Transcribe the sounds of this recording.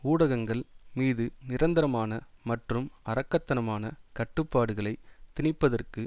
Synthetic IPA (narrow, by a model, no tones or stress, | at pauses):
uːɽɐɣɐŋɡɐɭmiːðɯnɪɾɐnd̪ɐɾɐmaːnɐmɐʈrɯmɐɾɐkːɐt̪ːɐnɐmaːnɐkɐʈːɯpːaːɽɯɣɐɭɐɪt̪ɪnɪpːɐðɐrkɯ